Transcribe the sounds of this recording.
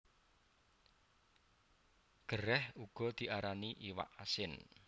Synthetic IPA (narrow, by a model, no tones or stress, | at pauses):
ɡ̥əɾɛhuɡ̥ɔ̤d̪̥i̤ʔaɾaniʔiwa̰ʔasɪn